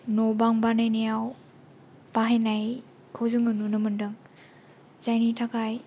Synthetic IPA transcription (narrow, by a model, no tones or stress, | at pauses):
nobaŋbanajnejaw | b̥aɦenaj | kʰɯwzɯŋɯnunɯmɯndɯŋ | zajnitʰakaj